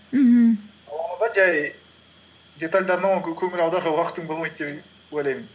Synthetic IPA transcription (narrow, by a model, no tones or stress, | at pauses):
m̩ɦm̩ | ɑɑd̪ɑnd͡ʒæj | d̪ʲe̞t̪alʲd̪ɑɾnəɴkʲʰɵŋɪlɑwd̪ɑɾʁɑwɑqət̪ːəɴbolˠmɑjt̪̚d̪ep | ojlɑjmɪn